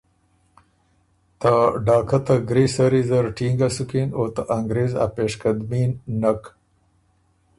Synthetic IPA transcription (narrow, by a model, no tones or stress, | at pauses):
t̪aɖɑːkʰat̪aɡɾiːsɐɾizɐɾʈʰiːŋɡasukinot̪aʔaŋɡɾeːza̰peːʂkɐd̪minːak